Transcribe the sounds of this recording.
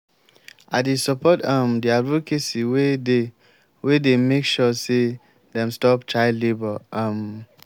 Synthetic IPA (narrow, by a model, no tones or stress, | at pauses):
ʔadesɔpɔtãmdiadvokesiwede | wedemekʃɔse | dɛ̃mstɔptʰaɪdlebəʔãm